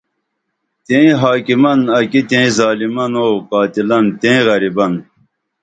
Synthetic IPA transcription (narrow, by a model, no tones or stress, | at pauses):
t̪ẽĩɦaːkimɐnɐkit̪ẽĩzaːlimɐnoːkaːt̪ilɐnt̪ẽɣɐɾibɐn